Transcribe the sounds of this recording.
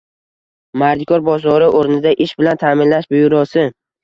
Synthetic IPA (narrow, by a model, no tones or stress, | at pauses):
maɾd̪ɪkʰɒɾbɒzɒɾɪʔoɾnɪd̪aʔɪʃbɪlant̪ʰamɪnlaʃbʊjʊɾɒsɪ